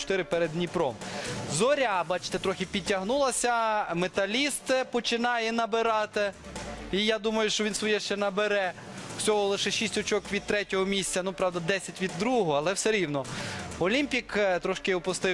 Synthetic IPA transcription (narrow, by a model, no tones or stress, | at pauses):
t͡ʃt̪ɪɾɪpɛɾed̪nʲipɾɔmzɔɾʲabɑt͡ʃɪ̥t̪ɛt̪ɾɔxɪpʲitʲːɐɦnulˠɐsʲɐmet̪ɐlʲist̪pɔt͡ʃɪnɑjɛnɐbɪɾɑt̪ɪ | ijad̪umɐjʊʃt͡ʃɔʋʲinsʋɔjɛʃt͡ʃɛnɐbeɾɛ̥ | sʲɔɦɔlˠɪʃɛʃisʲtʲɔt͡ʃɔkʋʲid̪̚t̪ɾɛtʲɔɦɔmʲisʲtʲt͡sʲɐnupɾɑwd̪ɐd̪ɛsʲɐtʲʋʲid̪ːɾuɦɔɐlˠɛwsɛɾʲiwnɔɔlʲimʲpʲikt̪ɾɔʃkɪɔpʊst̪ɪ